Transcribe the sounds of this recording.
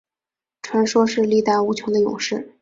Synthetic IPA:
ʈ͡ʂʰwa˧˥nʂwɔ˥ʂɻ̩˥˧li˥˧t̪a˥˩ɪu˧˥t͡ɕʰjʊ˧˥ŋd̪ə˧jʊ̰˨˩ŋʂɻ̩˥˩

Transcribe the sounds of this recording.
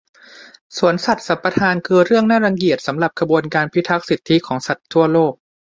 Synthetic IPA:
su˩˦ənsa˨˩t̪̚sa˨˦mpa˧t̪ʰaː˧nkʰɯː˧ɾɯ˥˩əŋnaː˥˩ɾa˧ŋki˨˩ət̪̚sa˩˦mɾa˨˩p̚kʰa˧bu˧ənkaː˧npʰi˦˥t̪ʰa˦˥k̚si˨˩t̪ʰːi˦˥kʰɔː˩˦ŋsa˨˩t̪ʰːu˥˩ɐloː˥˩k̚

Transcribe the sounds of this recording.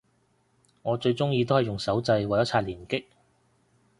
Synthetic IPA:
ŋɔː˨˧t͡ʃɵ˧ɥt͡sʊ˥ŋjiː˧t̪o˥whɐ˨˩jʊ˨˩ŋsɐ˨˥wt͡sɐ˧jwɐ˨jɐ˥t͡sʰaː˧˩liː˨˩nkɪ˥k̚

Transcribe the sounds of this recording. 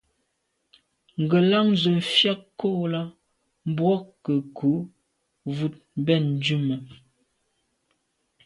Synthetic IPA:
ŋ̩˨ɡə˨la˦ŋzə˨m̩˨fja˦kko˦˨la˦ | m˦bwɔ˦kə˨kʰu˨˦ | vu˦˨t̚bɛ˦˨n̩˦d͡ʒu˦˨mə˨

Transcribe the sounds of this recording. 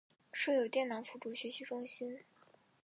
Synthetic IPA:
ʂɤ˥˩jo˨˩ʊt̪jɛ˥˩nnɑ˧˥ŋfu˧˥˩ʈ͡ʂu˧˥ɕɥɛ˧˥ɕi˧˥ʈ͡ʂʊ˥ŋɕi˥n

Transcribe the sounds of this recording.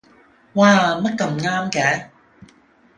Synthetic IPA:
waː˧mɐ˥t̚kɐ˧mŋaː˥mkɛː˨˦

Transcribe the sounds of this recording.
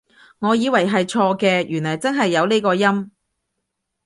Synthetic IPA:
ŋɔː˨˧jiː˨˧wɐ˨˩jɦɐ˨jt͡ʃʰɔː˧kɛː˧jyː˨˩nlɐ˨˩jt͡sɐ˥nɦɐ˨jːɐ˨˧wne˥jkɔː˧jɐ˥m

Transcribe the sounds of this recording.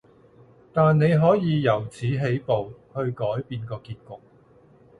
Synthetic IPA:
t̪aː˨nne˨˧jɦɔː˨˥jiː˨˧jɐ˨˩wt͡sʰiː˨˥ɦe˨˥jpo˨whɵ˧ɥkɔː˨˥jpiː˧nkɔː˧kiː˧t̚kʊ˨k̚

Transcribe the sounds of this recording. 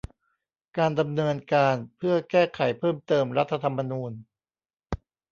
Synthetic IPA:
kaː˧nda˧mnɤː˧nkaː˧npʰɯ˥˩ɐkɛː˥˩kʰa˩˦jpʰɤː˥˩mt̪ɤː˧mɾa˦˥t̪ʰːa˧t̪ʰa˧mːa˧nuː˧n

